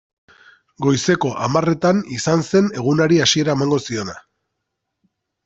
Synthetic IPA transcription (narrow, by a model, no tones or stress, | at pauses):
ɡo̞jse̞ko̞ʔamare̞t̪anisanse̞ne̞ɣ̞unaɾiasie̞ɾae̞maŋɡo̞sio̞na